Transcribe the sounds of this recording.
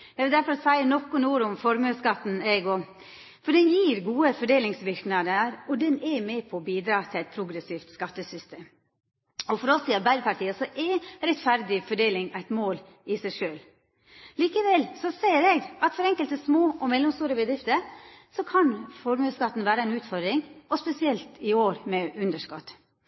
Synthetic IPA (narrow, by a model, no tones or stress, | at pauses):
ɛɡɪld̪æɾfɔɾɔsæɪənɔkːʊnuːɾʊmfɔɾmøːskɑt̪ːn̩ɛɡɔ | fɔɖɛnjiːɾɡuːəfɔɖeːlɪŋsʋɪɾknɑd̪əɾɔd̪ɛnɛmɛpʰɔbiːd̪ɾɑːt̪ʰɪlæɪt̪̚pʰɾʊɡɾɛsiːft̪skɑt̪ːəsʏst̪eːm | ɔfɔɾɔsɪɑɾbæɪd̪əpʰɑʈʰiːəsɔʔɛɾɛt̪fæɾd̪ɪfɔɖeːlɪŋæɪt̪moːl | ɪsæɪʂøːl | liːkəʋɛlsɔseɪɾɛɡɑt̪fɔɾɛŋkəlt̪əsmoːɔmɛlːɔmst̪uːɾəbəd̪ɾɪft̪əɾsɔkʰɑnfɔɾmʉskɑt̪ːn̩ʋæːɾəæɪnʉːt̪fɔɾd̪ɾɪŋɔspɛsɪɛlt̪ɪoːɾmɛʉnd̪əʂkɔt̪